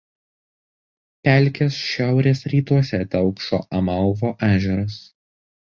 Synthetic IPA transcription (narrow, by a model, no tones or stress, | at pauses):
pʲæˑlʲˑkʲesʃʲæˑʊɾʲeːsɾʲiːt̪uɔsʲɛt̪ʲɛʊkʃo̰ːʔɐmɐlˠʋoːʔæːʒʲɛɾɐs